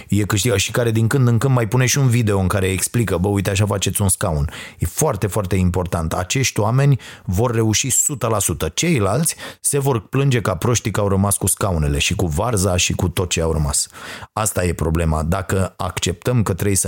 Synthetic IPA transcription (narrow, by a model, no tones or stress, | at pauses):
je̞kɨʃt̪iɡəʃikaɾe̞d̪iŋkɨnd̪ɨŋkɨnd̪majpune̞ʃʲiunvid̪e̞o̞ɨŋkaɾe̞eksplikəbəujt̪eaʃ̬afat͡ʃe̞t̪sʲunskaunje̞foart̪e̞foart̪e̞impo̞rt̪ant̪a̰t͡ʃe̞ʃt̪ʲwame̞nʲvo̞rːe̞uʃisut̪əlasut̪ət͡ʃe̞jlalt̪sʲse̞vo̞rplɨnd͡ʒe̞kapɾo̞ʃt̪ikawɾəmaskuskaune̞le̞ʃikuvarzaʃikut̪o̞t̪̚t͡ʃeawrəmasast̪aje̞pɾo̞ble̞mad̪akəakt͡ʃe̞p̚t̪əmkət̪ɾejs